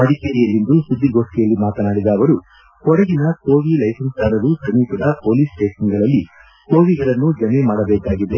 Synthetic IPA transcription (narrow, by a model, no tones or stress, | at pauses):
mɐɽikeːɾijɐlːind̪usud̪ːiɡo̞ːʂʈɛjɐlːimaːt̪ɐnaːɽid̪aːʋɐɾu | kɔɽɐɡinɐso̞ːʋilɐjsɐnsaːɾɐɾusɐniːsɐd̪ɐpo̞ːliːsʈeːʂɐnɡɐɭɐlːi | ko̞ːʋiɡɐɭɐnːud͡ʒɐmemaːɽɐbɛːkaːɡid̪e̞